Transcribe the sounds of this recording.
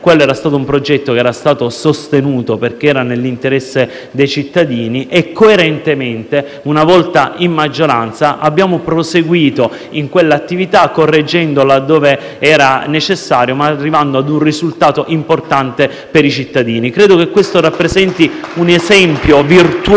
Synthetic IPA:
kwelːoɛːɾast̪aːt̪oumpɾod͡ʒɛt̪ːokeɛːɾast̪aːt̪osost̪enuːt̪operk̟eɛːɾanelːint̪eɾɛsːe | d̪ejt͡ʃit̪ːad̪iːniʔekːoeɾent̪ement̪e | unavɔlt̪aimːad͡ʒːoɾant̪saʔabːjaːmopɾoseɡwiːt̪o | iŋkwelːaat̪ːivit̪akːorːed͡ʒːɛnd̪olad̪ːoːve | ɛːɾanet͡ʃesːaːɾjomarːivand̪oad̪unrizult̪aːt̪oʔimport̪ant̪e | peɾit͡ʃit̪ːad̪iːnikɾeːd̪okekːwest̪oɾapːɾezɛnt̪iunezɛmpjovirt̪u

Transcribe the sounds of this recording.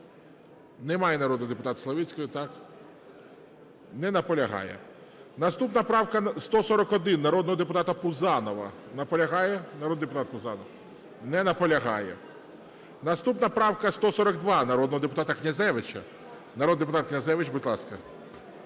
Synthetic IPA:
nɛmɑjɛnɐɾɔd̪njd̪ep̬ʊt̪ɑt̪slˠɐʋʲit͡sʲkɔjʊt̪ɑk | nɛnɐpɔlʲɐɦɑ̰jɛ̰nɐst̪upnɐpɾɑwkɐst̪ɔsɔɾɔkɔd̪ɪnːɐɾɔd̪nɔɦɔd̪epʊt̪ɑt̪ɐpʊzɑnɔʋɐ̰ | nɐpɔlʲɐɦɑjɛnɐɾɔd̪nid̪epʊt̪ɑt̪̚pʊzɑnɔw | nɛnɐpɔlʲɐɦɑ̰jɛ̰ | nɐst̪upnɐpɾɑwkɐst̪ɔsɔɾɐkd̪ʋɑnɐɾɔd̪nɔɦɔd̪epʊt̪ɑt̪ɐknʲɐzɛʋɪt͡ʃɐ̰ | nɐɾod̪d̪epʊt̪ɑt̪̚knʲɐzɛʋɪt͡ʃbʊdʲlˠɑskɐ

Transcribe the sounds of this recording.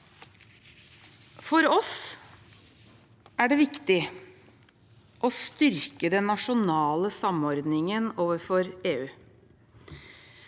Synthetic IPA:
fɔɾɔs | æɖɛːʋɪkt̪ɪ | ʔɔst̪ʏɾkəd̪ɛnːɑʂʊnɑːləsɑmɔɾd̪nɪŋənoːʋəɾfɔɾeːʉː

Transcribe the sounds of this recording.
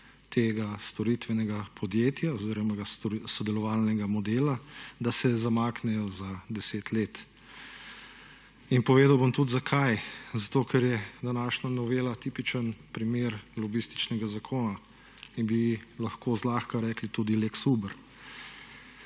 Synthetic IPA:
t̪eːɡast̪ɔɾit̪ʋɛnɛɡapʰɔd̪jeːt̪jaɔziːɾɔmaɡasɔd̪ɛlɔʋalnɛɡamɔd̪eːlad̪asɛzamaːknɛjɔzad̪ɛseːt̪leːt̪ | inpɔʋeːd̪awbɔmt̪ud̪zakʰajzat̪oːkʰɛɾjɛd̪anaːʃnanɔʋeːlat̪iːpit͡ʃənpɾimeːɾlɔbist̪i̥t͡ʃnɛɡazakʰoːna | inbilɐxkozlaːxkaɾɛːklit̪uːd̪ileksubəɾ

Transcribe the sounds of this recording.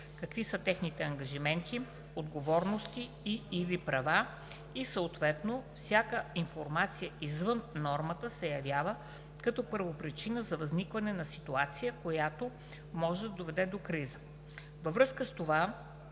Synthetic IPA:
kɐkvisət̪ɛxnit̪ɛɐŋɡɐʒimɛnt̪i | od̪ɡovɔɾnost̪iːlipɾɐva | isəot̪vɛt̪nofsʲjakəinfoɾmat̪sijəizvɤnːɔɾmət̪əsɛjɐvʲjavə | kɐt̪ɔpəɾvopɾit͡ʃinəzɐvɐznikvɐnɛnɐsit̪uat̪sijəkojat̪o | mɔʒɛd̪ɐd̪ovɛd̪ɛd̪okɾizə | vɐvɾɤskəst̪ova

